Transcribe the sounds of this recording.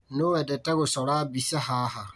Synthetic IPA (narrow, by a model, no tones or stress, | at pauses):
nʊːwɛdɛtɛɡʊsɔɾaːbisɛhaːɦa